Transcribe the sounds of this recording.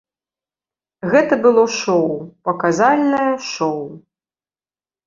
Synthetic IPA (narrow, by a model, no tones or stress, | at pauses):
ɣɛt̪ɐbɨlˠɔʂɔwpɐkazalʲnɐjɐʂɔw